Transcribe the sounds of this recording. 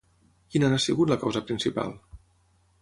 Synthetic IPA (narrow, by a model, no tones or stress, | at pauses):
kinaasiɣut̪ləkawzəpɾinsipa̰lˠ